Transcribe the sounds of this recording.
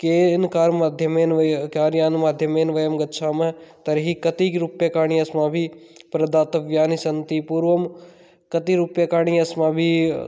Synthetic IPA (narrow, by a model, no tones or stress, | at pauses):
keːnkaːɾmaːd̪ʱjɐmeːnʋkaːɾjaːnmaːd̪ʱjɐmeːnʋɐjɐmɡɐt̪ːʃʰaːmɐt̪ɐɾɦikɐt̪iɾʊpjakaːɳ̃iɐsmãːbʱipɾɐd̪aːt̪ɐʋjaːnisɐnt̪ipuːɾʋɐm | kɐt̪iɾʊpjakaːɳ̃iɐsmãːbʱi